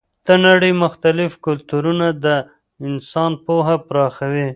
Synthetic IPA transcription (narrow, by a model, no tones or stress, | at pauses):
d̪̥ənaɽəjmʊxt̪alɪfkʊlt̪uɾunad̪ə | ɪnsɑnpoɦapɾɑxawi